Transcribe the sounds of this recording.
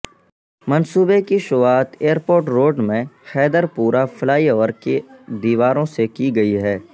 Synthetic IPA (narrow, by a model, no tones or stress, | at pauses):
mɐnsuːbekiʃʊʋaːt̪eːəɾpoːɾʈɾoːɖmẽxɛːd̪əɾpuːɾafɪlaːiɔːəɾked̪iːʋaːɾõsekiɡɐiɦɛː